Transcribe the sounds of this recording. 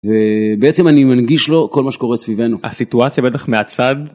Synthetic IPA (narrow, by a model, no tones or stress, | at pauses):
ve̞beet͡se̞manimanɡiʃlo̞ko̞lmaʃe̥ko̞ʁesvive̞nuha̰sit̪uat͡sjabet̪aχmeat͡sad̪